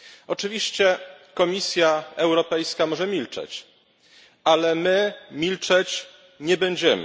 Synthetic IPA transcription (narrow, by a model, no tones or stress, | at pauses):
ɔt͡ʂɘvʲiɕt͡ɕɛ | kɔmʲisʲjaɛwɾɔpɛjskamɔʐɛmʲilt͡ʂɛ̰t͡ɕ | alɛmɘmʲilt͡ʂɛt͡ɕ | ɲɛbɛɲd͡ʑɛmɘ